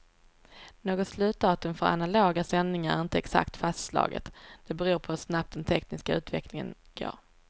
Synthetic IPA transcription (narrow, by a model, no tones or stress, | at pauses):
noːɡɔt̪slʉ̟ːt̪̚d̪ɑːt̪ɵmfœɾa̰naloːɡasɛnɪŋaɾæ̰ɾɪnt̪əɛksa̰kt̪fast̪slɑ̰ːɡə̰t̪d̪̥ɛbɛɾuːɾpʰɔhɵʂnap̚t̪̚d̪ɛnt̪ʰɛknɪskaʉ̟ːt̪vɛ̰klɪŋə̰nɡo̰ːɾ